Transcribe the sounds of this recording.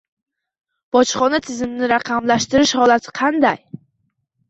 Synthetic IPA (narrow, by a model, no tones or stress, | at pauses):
b̥ɒt͡ʃχɒnat̪ʰɪzɪmnɪɾɑqʰɑmlaʃt̪ɪɾɪʃhɒlˠat̪ʰɪ̥qʰɑnd̪aj